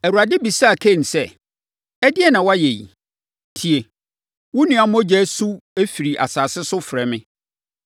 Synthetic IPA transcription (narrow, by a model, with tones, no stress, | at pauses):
æ˨wu˨ɾa˨dɪ˦bi˨sa˦˨kʰɛ˦˨n̩˨sɛ˦˨ | ɛ˦dɪ˦ɛ˦nã˨wɔ˦a˦jɛ˨jḭ˨ | tʰi˨e˨ | wʊ̃˦nũ˨˦ã˦mɔ̃˦d͡ʑɛ˦su˦æ˦fi˨ɾi˨ʔa̰˨saː˨sɪ˦sʊ˦fɾɛ˨mɪ̃˦